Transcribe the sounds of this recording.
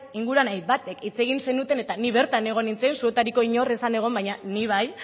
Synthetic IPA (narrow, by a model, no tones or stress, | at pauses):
iŋɡuɾanajbat̪e̞kit͡se̞ɣ̞inse̞nut̪e̞ne̞t̪aniβe̞ɾt̪ane̞ɣ̞o̞nint͡sensue̞t̪aɾiko̞iɲo̞re̞sane̞ɣ̞o̞mbaɲaniβ̞aj